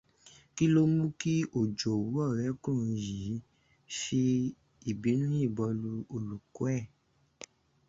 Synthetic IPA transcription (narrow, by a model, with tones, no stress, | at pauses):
ki˦lo˧˦mũ˦ki˦ʔo˦˨d͡ʒo˨wu˨˦ɔ˦˨ɾɛ˨˦kũ˦ũ˧˨ji˨˦ | fi˧ | i˨bi˨˦nĩ˦i˦˨bɔ˧lu˧o˨lu˨ko˦ɛ˦˨